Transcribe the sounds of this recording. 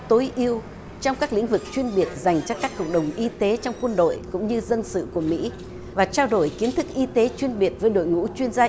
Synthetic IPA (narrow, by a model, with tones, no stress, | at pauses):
t̪o˨˦jʔi˧əw | t͡ɕɔ˧wŋ͡mkaː˦˥klḭ˧˥ŋ̟vɨ˨˩k̚t͡ɕwi˧ənɓi˨˩ət̚za˨˩jŋ̟t͡ɕaː˧kaː˦˥kːə̰˨˧˨wŋ͡m̚ɗə˨˩wŋ͡mʔi˧t̪e˨˦t͡ɕɔ˧wŋ͡mkwə˧nɗo̰˧˨jkʊ̰˧˥ŋ͡mɲɨ˧zə˧nsɨ̰˧˨ku˧˩əmḭ˧˥ | vaː˨˩t͡ɕaː˧wɗo˨˧˩jki˨˦ənt̪ʰɨ˦˥k̚ʔi˧t̪e˨˦t͡ɕwi˧ənɓi˨˩ət̚vəː˨˦jɗo̰˧˨jŋṵ˧˥t͡ɕwi˧ənzaː˧